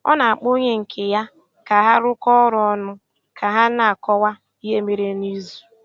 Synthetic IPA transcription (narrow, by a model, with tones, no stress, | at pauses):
ɔ̰˦na˨a˨k͡po˦ɲe˦ŋ̩˨kʰɪ˨ja˦ | ka˨ɦa˦ɾʊ˦kɔ˦ɾʊ˨ɔ˦nʊ˦ | kʰa˨ɦa˦na˨a˨kɔ˦wa˦ | i˦e˦me˦ɾe˦ni˦zu˨